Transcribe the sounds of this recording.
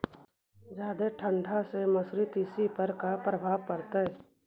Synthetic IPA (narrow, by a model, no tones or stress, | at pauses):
d͡ʒjaːd̪eʈʰə̃ɳɖʱasemɐsɾɪt̪ɪsipəɾkapɾəbʱaːʋkəɾt̪aɛ